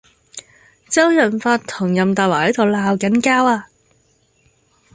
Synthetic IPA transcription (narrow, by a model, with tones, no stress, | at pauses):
t͡sɐ˥wjɐ˨˩nfaː˧tt̪ʰʊ˨˩ŋjɐ˨mt̪aː˨t̚waː˨˩hɐ˨˥jt̪o˨wlaː˧wkɐ˨˥nkaː˥waː˧